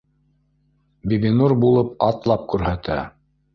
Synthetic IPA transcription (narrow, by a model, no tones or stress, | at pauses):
bibinuɾbulˠɤp̚ɑt̪lˠɑp̚kʉɾhæt̪æ̰